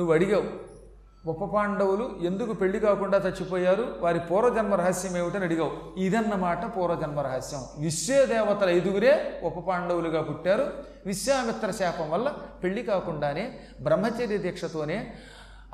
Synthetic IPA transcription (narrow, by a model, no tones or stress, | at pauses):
nuʋːɐɽiɡaːwu | ɔpːɐpaːɳɖɐwulue̞nd̪ukupe̞ɭːikaːkuɳɖaːt̪ɐt͡ʃːipɔːjaːɾuʋaːɾipɔːɾɐːd͡ʒɐnmɐɾɐɦɐsjɐmeːʋiʈɐnɐɽiɡaːwuid̪ɐnːɐmaːʈɐpɔːɾɐd͡ʒɐnmɐɾɐɦɐsjɐmʋiʃjeːd̪ɛːʋɐt̪ɐlɐjd̪uɡuɾe̞ːɔpːɐpaːɳɖɐwuluɡaːpuʈːaːɾu | ʋisjaːmɪt̪ːɾɐʃɛːpɐmʋɐlːɐpe̞ɭːikaːkuɳɖaːne̞ː | bɾɐmːɐt͡ʃɐd̪ɐd̪ʱjɐkʂɐt̪o̞ːne̞ː